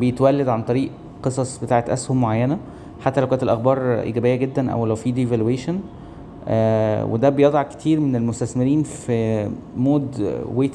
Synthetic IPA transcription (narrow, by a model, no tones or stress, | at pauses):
bejet̪wælːæd̪ʕant̪ˤɑɾiːʔ | qesˤɑsˤbet̪aːʕet̪ʔæ̰shommoʕajːænæ | ħat̪ːælæwkænt̪elʔæxbɑːɾˤʔḭːɡæbejːæɡed̪ːænʔæ̰wlæwfiːd̪evælweːʃn | ʔæwḛd̪æbejed̪ˤɑʕke̥t̪ʰiːɾmenelmost̪æsmeɾiːnfimoːd̪weːt̪